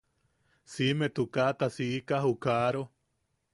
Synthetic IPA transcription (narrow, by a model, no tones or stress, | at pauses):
simet̪ukat̪asiʔːkaɦukaɾo